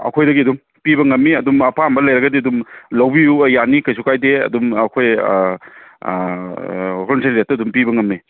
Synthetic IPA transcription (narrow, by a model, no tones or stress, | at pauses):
ɐ̰kʰojdɐɡiɐdum | pibɐŋɐmːiɐdumɐpʰambɐlɐjɾɐɡɐdiɐdumlɐwbijujanikɐjs̬ʰukajdeɐ̰dumɐkʰoj | hʰɔnsʰeɾiɾetːɐɐdumpibɐŋɐmːi